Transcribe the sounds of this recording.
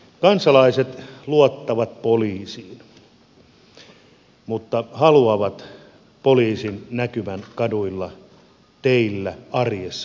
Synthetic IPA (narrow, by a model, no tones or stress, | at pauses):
kɑnsɑlɑiset̪luot̪ːɑʋɑt̪̚poliːsiːn | mut̪ːɑhɑluɑʋɑt̪ | poliːsinnækyʋænkɑduilːɑ | t̪eilːæɑrjesːɑ